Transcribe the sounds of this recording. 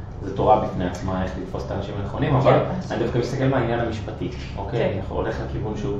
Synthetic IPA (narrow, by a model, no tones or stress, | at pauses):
zet̪oʁabifneat͡smae̞χlit̪fo̞se̥t̪aːnaʃimaneχo̞nimavalnid̪afkamist̪akelmeainjanamiʃpat̪i | ʔokejanaχṵo̰le̞χlekivunʃu